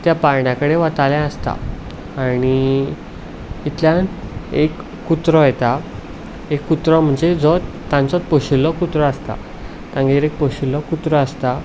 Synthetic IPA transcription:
t̪japaɾɳjakəɽeʋət̪aljãəst̪a̰ | aɽ̃i | it̪ljãnekː | ut̪ɾɔjet̪a | ekːut̪ɾɔm̤əɳd͡zed͡zɔt̪ːãnt͡sɔt̪pəɕulːɔkut̪ɾɔast̪a̰ | t̪ãŋɡeɾek̚pəɕulːɔkut̪ɾɔast̪a

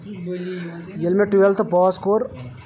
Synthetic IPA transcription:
jelmeʈuʋelt̪pɔːskoɾ

